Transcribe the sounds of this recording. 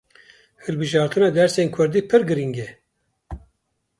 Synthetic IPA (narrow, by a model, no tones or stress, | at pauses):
hɨlbɨʒɑːɾt̪ʰɨnɑːd̪ɛɾsenkʰʊɾd̪iːpʰɨɾɡɨɾiŋɡɛ